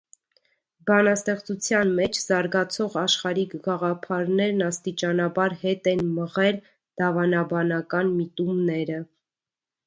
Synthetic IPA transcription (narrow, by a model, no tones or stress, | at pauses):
bɑnɑst̪ɛχt͡sut͡sʰjɑnmɛt͡ʃʰz̥ɑɾɡɑt͡sʰɔʁɑʃχɑɾiɡɑʁɑpʰɑɾnɛɾnɑst̪it͡ʃɑnɑbɑɾhɛt̪ɛnməʁɛl | d̪̥ɑvɑnɑbɑnɑkɑnmit̪umnɛɾə